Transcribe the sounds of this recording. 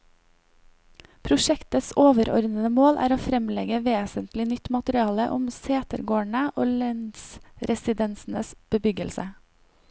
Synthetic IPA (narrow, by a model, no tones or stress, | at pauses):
pʰɾʊʃɛkt̪əsoːʋəɾɔ̰ɾd̪ənəmoːlʔæ̰ːɾoːfɾɛmlɛɡəʋeːsənt̪lɪnʏt̪mɑt̪əɾɪɑːləʔʊmseːt̪əɾɡoːæɳəʔoːlɛnsɾɛsɪd̪ɛnsn̩əsb̥əbʏɡəlsə